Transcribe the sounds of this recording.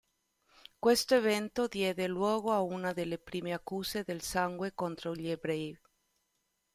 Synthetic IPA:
kwest̪oevent̪od̪jɛːd̪elwɔːɣoaunad̪elːepɾiːmeakːuːzed̪elsaŋɡwekont̪ɾoʎiebɾɛj

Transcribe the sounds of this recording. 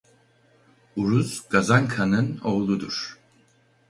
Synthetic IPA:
uɾuzɡazaŋkʰanɯno̞ːlˠud̪uɾ̥

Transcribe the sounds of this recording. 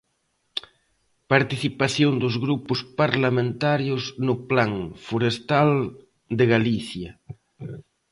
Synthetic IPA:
paɾt̪iθipaθjond̪ʊzɣɾupʊspaɾlamẽnt̪aɾjʊznʊplaŋfoɾest̪al | d̪eɣaliθjɐ

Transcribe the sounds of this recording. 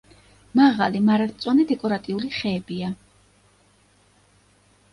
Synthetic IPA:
maʁa̰limaɾat̪t̪sʼwanɛd̪ɛkʼɔɾat̪ʼiuliχɛːbia

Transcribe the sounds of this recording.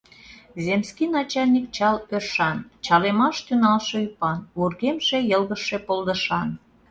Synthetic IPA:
zemskinɑt͡ɕɑlʲnʲik̚t͡ɕɑlørʃɑnt͡ɕɑlemɑʃt̪ynɑlʃeypɑnβurɣemʃe̽jəlɣəʃe̽pold̪əʃɑn

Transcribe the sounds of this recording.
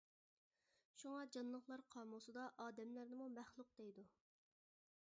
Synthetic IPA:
ʃuŋɑd͡ʒɑnlˠəχlˠɑɾqʰɑːmʊsɨd̪ɑʔɑːd̪ɛmlæɾnɪmumæχlˠʊq̚d̪̥ejd̪u

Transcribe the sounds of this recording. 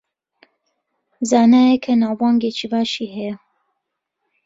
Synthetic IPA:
zaːnaːjekʰɐnaːwbɑːŋɡet͡ʃʰibaːʃiːɦɛj

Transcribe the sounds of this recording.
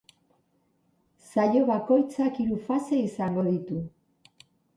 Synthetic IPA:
sajo̞βako̞jt͡sakiɾufase̞isaŋɡo̞ðit̪u

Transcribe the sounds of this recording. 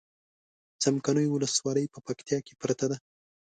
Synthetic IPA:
t͡samkanəjwʊləswɑləjpəpakt̪jɑke̥pɾat̪ad̪a

